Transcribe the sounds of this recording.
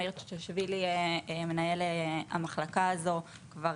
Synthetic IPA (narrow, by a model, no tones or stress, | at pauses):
iʁtu̥teʃvilieme̞naje̞lea̰maχlakaːzo̞ | kvaʁ